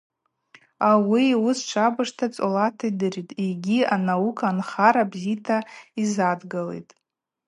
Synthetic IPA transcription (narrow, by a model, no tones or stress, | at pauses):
awiːwʊsʈ͡ʂʷʰabɨʂtʰat͡sʼolatʰaidɨritʼiɡʲianaukʰanχaɾabzitʰaizadɡalḛjtʼ